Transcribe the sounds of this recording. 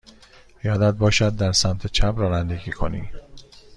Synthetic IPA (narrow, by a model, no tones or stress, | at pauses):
jɒːd̪æd̪̚bɒːʃæd̪̚ːæɾsæmt̪ʰet͡ʃʰæbɾɒːnænd̪eɟiːkʰo̰niː